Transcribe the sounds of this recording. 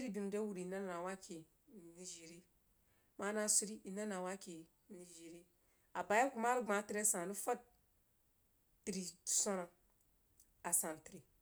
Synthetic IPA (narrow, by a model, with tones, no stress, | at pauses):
i˦ɾi˦bi˨m˨de˦wu˨ɾi˨na˦n˦na˨wa˦kʰi˨ | ni˦ʒe˨ɾi˦ | ma˦na˦su˦ɾi˦i˨na˦na˨wa˦ki˨ | ni˦ʒe˨ɾi˦ | a˨ba˨ja˦ku˦ma˦ɾi˦ɡ͡ba˨˦ti˦ɾe˦sã˨ni˦fa˦d̚ | ti˨ɾi˨so˦na˨ | a˨sã˨n˨ti˨ɾi˨